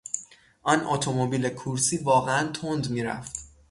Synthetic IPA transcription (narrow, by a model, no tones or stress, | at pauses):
ʔɒnʔot̪ʰomobiːlekʰuɾsiːvɒːɣeænt̪ʰond̪miːɾæ̰ft̪